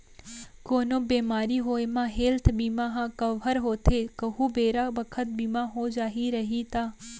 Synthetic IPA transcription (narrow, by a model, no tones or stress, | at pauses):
koːnoːbeːmaːɾiɦoːemãɦeːlt̪ʰbiːmaɦãkɐʋəɾɦoːt̪ʰekɐɦubeːɾabɐkʰət̪̚biːmaɦod͡ʒaːɦiɾɐɦit̪aː